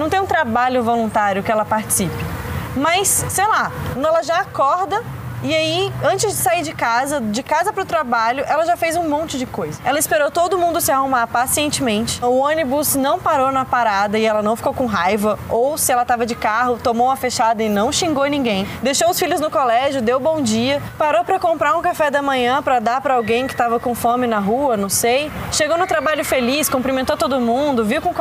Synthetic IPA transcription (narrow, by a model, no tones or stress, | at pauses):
nɐ̃w̃t̪ẽjũt̪ɾabaʎʊvolũnt̪aɾjʊkɪɛlɐpaɾt͡ʃɪ̥sipɪmɐsːejlaɛlɐʒaːkɔɾd̪ɐ | ɪaiɐ̃nt͡ʃɪzd͡ʒɪsaiɾd͡ʒɪkazɐd͡ʒɪkazɐpɾʊt̪ɾabaʎʊʔɛlɐʒafejzũmõnt͡ʃɪd͡ʒɪkojzɐɛlɐɪspeɾowt̪od̪ʊmũnd̪ʊsɪahumaɾpasiẽnt͡ʃɪmẽnt͡ʃɪ̥ʊõnibuznɐ̃w̃paɾownɐpaɾad̪ɐɪɛlɐnɐ̃w̃fi̥kowkõɦajvɐowsɪɛlɐt̪avɐd͡ʒɪkaɦʊt̪omowmɐfeʃad̪ɐɪnɐ̃w̃ʃĩŋɡownĩŋɡẽj̃d̪ejʃowʊsfiʎʊznʊkolɛʒjʊd̪ewbõw̃d͡ʒiɐ | paɾowpɾɐkõmpɾaɾũkafɛd̪ɐmɐ̃ɲɐ̃pɾɐd̪aɾpɾɐawɡẽj̃kɪ̥t̪avɐkõfɐmɪnɐɦuɐnɐ̃w̃sejʃeɡownʊ̃t̪ɾabaʎʊfeliskõmpɾimẽnt̪owt̪od̪ʊmũd̪ʊviwkõk